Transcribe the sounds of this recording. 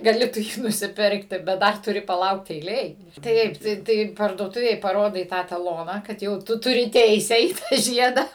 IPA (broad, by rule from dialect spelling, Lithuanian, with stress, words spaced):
ɡɐˈlʲɪ tʊ ˈjiː nʊsʲɪˈpʲɪrktʲɪ bʲɛt ˈdɐr tʊˈrʲɪ pɐˈlˠɐʊkt ɛɪˈlʲeːj ˈtɐɪp ˈtɐɪ ˈtɐɪ pɐrduɔˈtʊʋʲeːj pɐˈroːdɐɪ ˈtɑː tɐˈlˠoːnɑː ˈkɐt jɛʊ ˈtʊ tʊˈrʲɪ ˈtʲɛɪsʲɛ iː ˈtɑː ˈʒʲiɛdɐ